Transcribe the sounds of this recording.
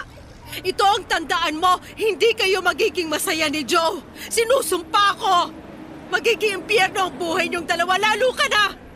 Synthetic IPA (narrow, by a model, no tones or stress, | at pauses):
ʔɪt̪o̞ʔɐŋt̪ɐnd̪ɐʔanmo̞ | hɪnd̪ikɐjo̞mɐɡiːɡɪŋmɐsɐjanɪd͡ʒow | sɪnuːsʊmpɐʔɐko̞ | mɐɡiːɡɪŋɪmpjɛɾnoʔɐŋbuːhɐjɲoŋd̪ɐlɐwalaːluːkɐnɐ